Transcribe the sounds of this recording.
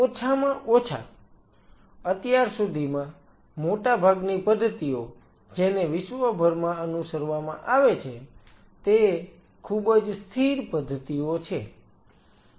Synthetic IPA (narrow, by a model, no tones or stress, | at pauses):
ot͡ʃʰamãʔot͡ʃʰa̰ | ət̪jaɾsud̪ʱimã | moʈabʱaɡnipəd̪ʱːət̪io | d͡ʒeneʋɪʃʋəbʱəɾmãənusəɾʋamã̰ʔaʋet͡ʃʰe | t̪e | kʰubəd͡ʒst̪ʰiɾpəd̪ʱːət̪iot͡ʃʰe